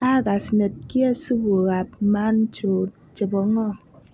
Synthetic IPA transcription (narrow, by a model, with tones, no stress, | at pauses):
a˦ɡa˨sne˨t̚ki˦a˦su˦bu˨ɣa˨p̚ma˦n˦t͡ʃo˨ | t͡ʃe˨bɔ˨˦ŋɔ˦